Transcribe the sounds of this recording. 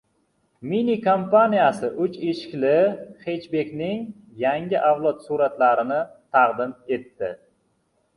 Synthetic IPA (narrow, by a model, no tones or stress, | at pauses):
minikʰompanijasɪʔʊt͡ʃeʃɪ̥kʲlɪχe̞t͡ʃbe̞kʲnɪŋ | jaŋɡʲɪʔavlˠɒt̪suɾat̪laɾɪnɪt̪ʰɑqd̪ɪme̞t̪ːɪ